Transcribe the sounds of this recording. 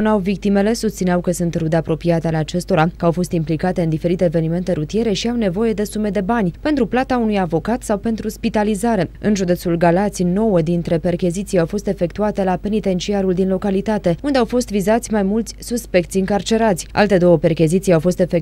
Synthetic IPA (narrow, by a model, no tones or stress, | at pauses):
nawvik̚t̪ime̞le̞sust̪sineawkəsunt̪ɾud̪eapɾo̞piat̪ealeat͡ʃe̞st̪o̞ɾakəawfo̞st̪implikat̪e̞ɨnd̪ife̞ɾit̪eːve̞nime̞nt̪eɾut̪ije̞ɾe̞ʃiawne̞vo̞je̞d̪e̞sume̞d̪e̞banʲpe̞nt̪ɾuplat̪aunujavo̞kat̪sawpe̞nt̪ɾuspit̪alizaɾe̞ɨ̰nʒud̪e̞t̪sulɡalat̪sino̞wəd̪int̪ɾe̞pe̞rkʲizit̪sijawfo̞st̪e̞fe̞kt̪uat̪e̞lape̞nit̪e̞nt͡ʃiaɾuld̪inlo̞kalit̪at̪e̞und̪e̞awfo̞st̪vizat̪sʲmajmult̪sʲsuspe̞k̚t̪siɨŋkart͡ʃe̞ɾat̪sʲa̰lt̪e̞d̪o̞wəpe̞rkʲizit̪sijawfo̞st̪e̞fe̞k